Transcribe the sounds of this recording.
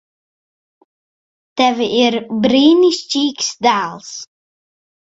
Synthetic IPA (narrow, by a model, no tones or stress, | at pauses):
tɛʋəʔirbriːnist͡ʃiːksdaːlˠs